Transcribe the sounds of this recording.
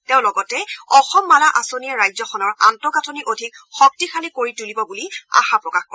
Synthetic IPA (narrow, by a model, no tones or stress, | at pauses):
teʊ̃lɔɡɔtɛɔxɔmːalaʔasoniɛɹajzɔxɔnɔɹantɔɡatʰɔniʔodʱik̚ | xɔk̚tixalikoɹitulibɔbulia̰xapɹɔkaxkɔ